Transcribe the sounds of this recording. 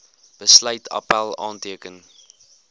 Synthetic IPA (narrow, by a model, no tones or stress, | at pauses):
b̥əslœɥtʰɐ̰pælˠɑːntiəkən